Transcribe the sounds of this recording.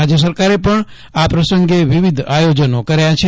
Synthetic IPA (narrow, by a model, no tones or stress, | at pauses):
ad͡ʒjəs̬əɾkaɾepəɳ | apɾəsəŋɡeʋiʋid̪ʱajod͡ʒənokəɾjat͡ʃʰe